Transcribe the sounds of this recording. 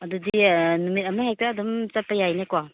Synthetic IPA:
ɐdudinumit̚ɐmaɦejk̚taːdɔmt͡ʃɐpajajnekwa

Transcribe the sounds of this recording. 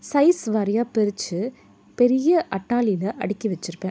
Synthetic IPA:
sɐɪsʋaɾɐjaːpɛɾɪt͡ʃːɯ | pɛɾɪjɐʔɐʈːaːlɪlɐʔɐɽɪkːiʋɛt͡ʃːɪɾɯpːẽː

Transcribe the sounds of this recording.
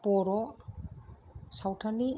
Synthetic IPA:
pɔɾɔ | sawtʰani

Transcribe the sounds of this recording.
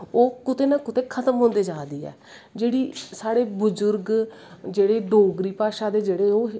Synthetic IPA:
oːkʊt̪eːnãːkʊt̪eːkʰət̪əmɦõːnd̪eːd͡ʒaːd̪iːɛ̰ː | d͡ʒeːɽiːsaːɽeːbʊzʊɾɡ | d͡ʒeːɽeːɖoːɡɾiːpaːʃãːd̪eːd͡ʒeːɽeːoː

